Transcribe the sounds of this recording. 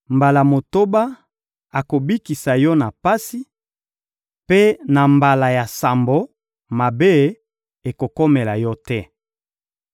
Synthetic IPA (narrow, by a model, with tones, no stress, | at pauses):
mba˨la˨mo˨to˦ba˦ | a˨ko˨bi˦ki˨sa˨jɔ˦na˨pa˦si˦ | pe˦na˨mba˨la˨ja˨sa˨mbo˨˦ | ma˨be˦ | e˨ko˨kɔ˦me˨la˨jɔ˦tɛ˦